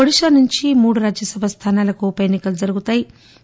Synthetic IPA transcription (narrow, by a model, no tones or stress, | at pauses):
oɽiʃaːnuɲt͡ʃimuːɽuɾaːd͡ʒjɐsɐbʱɐst̪ʰaːnaːlɐkupɐjenːikɐlud͡ʒɐɾuɡut̪aːji